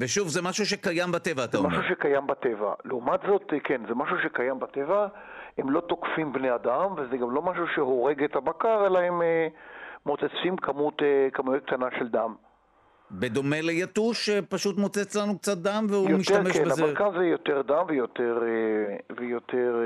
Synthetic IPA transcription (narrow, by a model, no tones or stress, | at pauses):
veʃuvzemaʃuʃ̬ekajambat̪evaːt̪amaʃuʃekajambat̪eva̰leumat̪zo̞t̪kʰenzemaʃuʃekajambat̪eva | hemlo̞t̪o̞kfimbnead̪amvezeɡamlo̞maʃuʃeɦo̞ʁe̞ɡet̪abakaʁe̞lahememot͡set͡simkʰamutkamujek̚t̪anaʃe̞ld̪am | bed̪o̞me̞lejat̪uʃepaʃut̪mot͡set͡slanuk̚t͡sat̪̚d̪amvehujomiʃameʃbeazeakanzejo̞t̪eʁd̪amvejo̞t̪eʁ | vejot̪ʰeʁ